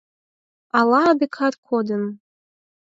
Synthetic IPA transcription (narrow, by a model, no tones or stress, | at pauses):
ɑlˠɑːbekʰɑt̪kʰod̪ən